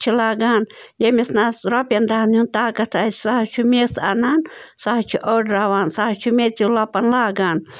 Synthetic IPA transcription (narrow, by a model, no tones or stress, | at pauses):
t͡ʃʰilaːɡaːnjemisnaɾɐpjɐnd̪aːnunt̪aːkɐt̪ʰassaɦɐt͡ʃʰumʲesanaːnsaɦat͡ʃʰiʔoɖɾaʋaːnsaɦɐt͡ʃʰumet͡silɐpɐnlaːɡaːn